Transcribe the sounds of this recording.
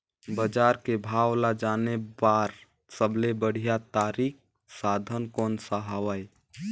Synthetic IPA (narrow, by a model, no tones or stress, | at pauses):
bəd͡ʒaːɾkebʱawlad͡ʒaːnebaɾ | səblebəɽ̤ijat̪aːɾik̚ | saːd̪ʱənkɔːnsaɦəwəj